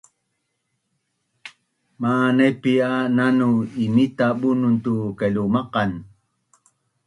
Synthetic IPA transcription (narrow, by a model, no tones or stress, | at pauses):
manepiananuimit̪aɓununt̪ukelumɑqɑn